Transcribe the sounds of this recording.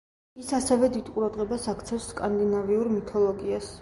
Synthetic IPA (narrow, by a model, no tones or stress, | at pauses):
isasɛvɛd̪id̪qʼuɾad̪ʁɛbasakʰt̪sʰɛfsːkʼand̪inaviuɾmit̪ʰɔlˠɔɡias